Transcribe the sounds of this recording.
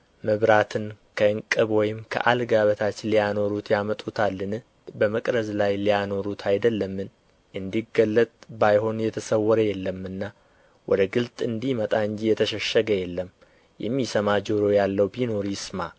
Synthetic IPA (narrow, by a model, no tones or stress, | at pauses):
məβɾat̪ʰɨnkʰəɨŋkʼɨβwɔjɪmkʰə̰ʔalɡaβət̪ʰat͡ʃːɪlijano̞ɾut̪ʰjamət̪ʼut̪ʰalːɨnɨ | bəməkʼɾəzlajlijano̞ɾut̪ʰajd̪əlːəmːɨn | ʔɨnd̪iɡəlːət̪ʼbajho̞njɛt̪ʰəsəwːɔɾəjɛlːəmɨnːa | wʔɔd̪əɡɨlt̪ʼɨnd̪imət̪ʼaɨɲd͡ʒijɛt̪ʰəʃəʃːəɡəjɛlːəm | jɛ̰mːisəmad͡ʒoɾo̞jalːəwbino̞ɾisma